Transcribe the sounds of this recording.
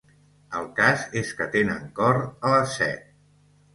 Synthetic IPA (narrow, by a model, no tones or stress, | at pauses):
əlˠkazeskət̪enəŋkɔɾələsːɛ̰t̪̚